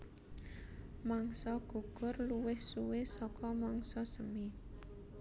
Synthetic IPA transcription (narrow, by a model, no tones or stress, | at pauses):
maŋsɔɡ̥ṳɡ̥ʊ̤rluwɪhsuwɪsɔkɔmaŋsɔsəmi